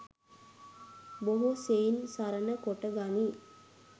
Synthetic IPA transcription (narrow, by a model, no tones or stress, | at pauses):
boɦuseinsaɾənəkoʈəɡani